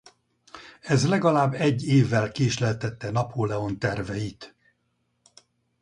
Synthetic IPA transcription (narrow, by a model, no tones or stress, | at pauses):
ɛzlɛɡɒlaːbːɛɟːeːvːɛlkeːʃlɛlt̪ɛt̪ːɛnɒphoːlɛo̞nt̪ɛrvɛjit̪